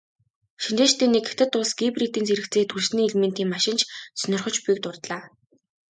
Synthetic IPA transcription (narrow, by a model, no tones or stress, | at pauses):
ʃint̪eːʃt̪eːneket̪ʰɘ̆t̪ʊɮsɡ̥iprit̪iːnt͡sʰeɾɘ̆kt͡sʰeːt̪ʰuɮsniːiɮmĕnt̪iːmːaʃɪ̆nt͡ɕʰsœnʲɪrχɞ̆t͡ɕpujːk̚t̪ʊrt̪ɮaː